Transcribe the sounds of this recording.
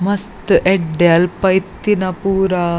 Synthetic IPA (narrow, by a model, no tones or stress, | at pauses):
mɐst̪ʔeɖjalpɐjt̪ːinɐpuːɾa